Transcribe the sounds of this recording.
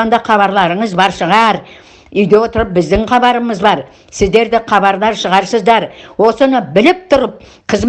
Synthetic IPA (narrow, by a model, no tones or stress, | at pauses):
ɑnd̪ɑχɑβɑɾlˠɑɾəɴəzbɑɾʃəʁɑɾ | ʏjd̪e̞wo̞t̪əɾəp̚bɪzd̪ɪŋχɑbɑɾəməzbɑɾ | sɪzd̪e̞ɾd̪ɪqʰɑbɑɾlˠɑɾʃəʁɑɾsəzd̪ɑɾwo̞sənəbɪlɪp̚t̪ʰʊɾəp̚ | qʰəz